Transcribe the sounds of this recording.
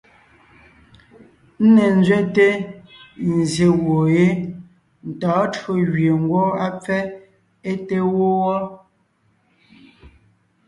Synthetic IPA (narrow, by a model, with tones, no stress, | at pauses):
n̩˦nɛ˨n̩˦d͡zɥɛ˦te˦ | n̩˨zje˨ɣwo˨je˦ | n̩˨tɔː˨˦to˦ɣɥe˨ŋ̩˦ɡwɔ˦a˦p͡fɛ˦ | e˦te˦wo˦wɔ˦